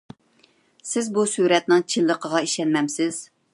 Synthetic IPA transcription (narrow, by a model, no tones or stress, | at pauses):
sɪzbusuɾɛt̪̚nɪŋt͡ʃʰilːəqʰəʁɑiʃɛnmɛmsɪz̥